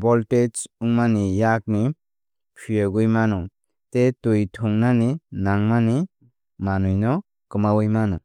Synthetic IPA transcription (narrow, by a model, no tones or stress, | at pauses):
bɔlʈet͡ʃuŋmanijak̚ni | pʰijeɡujmanɔ | t̪et̪ujt̪ʰuŋnaninaŋmani | manujnɔ | kɯmawɯjmanɔ